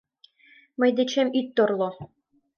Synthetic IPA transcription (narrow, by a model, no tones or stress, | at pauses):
mɤ̆jd̪ĕt͡ɕemyt̪ːorlˠo